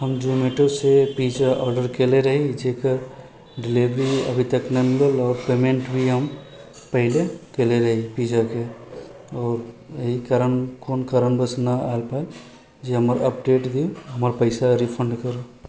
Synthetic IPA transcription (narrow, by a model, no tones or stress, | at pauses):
ɦɐmd͡ʒuːmeʈosepiːd͡ʒaʔɔːɾɖəɾkeːleɾɐɦid͡ʒeːkəɾ | ɖɪliʋɾiɐ̰bʱit̪əknɐmɪləlɔːɾpeːmẽɳʈbʱiɦɐm | pɐɦɪlekeleɾɐɦipiːd͡ʒake | ɔːɾjəɦikaɾənkoːnkaɾənbəsnaaːlpaːe | d͡ʒeɦɐməɾɐpɖeːʈd̪ioɦɐmɾpəɪsaɾipʰə̃ɳɖkɐɾo